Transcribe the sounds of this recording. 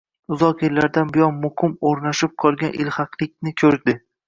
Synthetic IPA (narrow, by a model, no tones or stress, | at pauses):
ʊzɒqɪllaɾd̪anbɪjɒnmʊhɪmoɾnaʃɪp̚qʰɒlˠɡʲanʔɪ̰lhɑqlˠɪk̚ʲnɪkʲʰɵɾd̪ɪ